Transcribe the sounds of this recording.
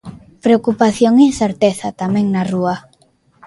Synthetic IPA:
pɾeokupaθjoŋinθeɾt̪eθat̪amɛ̃ŋnarua

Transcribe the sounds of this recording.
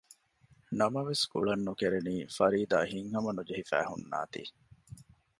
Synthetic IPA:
nɐmɐʋeskṵɭɐnːukeɾeniːfɐɾiːd̪a̰ːɦiŋɦɐmɐnud͡ʒeɦifæ̰ːhṵnːa̰ːt̪ḭː

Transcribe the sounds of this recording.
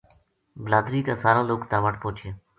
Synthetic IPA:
bəlaːd̪ɾiːkãːsaːɾãːloːkt̪ãːʋəʈpõːt͡ʃʰeː

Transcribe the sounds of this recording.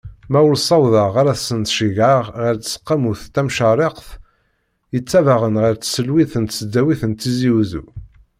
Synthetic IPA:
mæwʊlsˤɑwðɑʁaɾæθsənt̪ʃəʝʕaʁʁəɾt͡sə̥sə̥qːamuθt̪æmʃɑrˤeqθ | jət͡sːævaʁənʁəɾt͡ssəlwiθənt̪səd̪ːæwiθənt̪ːiziwzṵ

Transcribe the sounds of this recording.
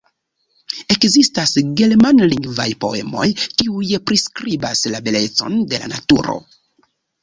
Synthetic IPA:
e̞kzistasɡe̞lmanliŋɡva̰jpo̞̰e̞̰mo̞̰jkiujpɾiskɾibaslabele̞t͡so̞̰nde̞la̰na̰tuɾo̞̰

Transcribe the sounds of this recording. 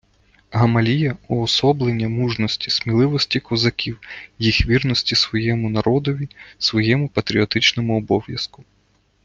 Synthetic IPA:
ɦɐmɐlʲijɐɔːsɔblˠenʲːɐmuʒnɔsʲtʲi̥smʲilˠɪʋɔsʲtʲikɔzɐkʲiwjixʋʲirnɔsʲtʲisʋɔjɛmʊnɐɾɔd̪ɔʋʲisʋɔjɛmʊpɐt̪ɾʲiɔt̪ɪt͡ʃnɔmʊɔbɔʋjɐ̰skʊ

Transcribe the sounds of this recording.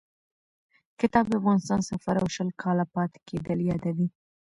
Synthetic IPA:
kɪt̪ɑbd̪afɣɑnɪst̪ɑnsafaɾawʃəlkʰɑlapɑt̪ɪ̥kʰed̪əljɑd̪awi

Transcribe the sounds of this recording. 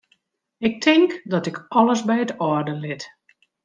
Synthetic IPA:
ɪk̚tʰɪŋkdɔtɪkɔləsbɛjətɔrdəlɪt

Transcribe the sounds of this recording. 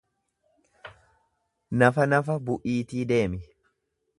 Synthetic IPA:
nɐfɐnɐfɐbʊʔiːt̪iːd̪e̞ːmɪ

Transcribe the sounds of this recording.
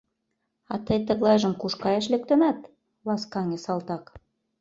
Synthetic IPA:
ɑt̪əjt̪ə̆ɣlˠɑjʒəmkuʃkɑjɑʃ̬lĕk̚t̪ø̆næt̪ | βɑskɑŋĕsɑlt̪ɑk

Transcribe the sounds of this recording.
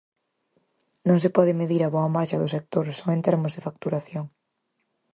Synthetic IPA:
nõŋsɪpɔðɪmeðiɾɐβɔɐmaɾʃɐðʊsek̚t̪oɾsɔẽnt̪eɾmʊzðɪfak̚t̪uɾaθjoŋ

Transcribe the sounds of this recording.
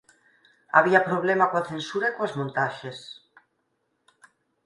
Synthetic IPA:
a̰β̞iapɾoβ̞lemakwaθensuɾaikoazmõnt̪aʃes

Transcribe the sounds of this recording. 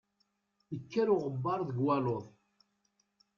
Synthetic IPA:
jəkːæɾʊʁəbːɑɾˤðəɡwæloðˤ

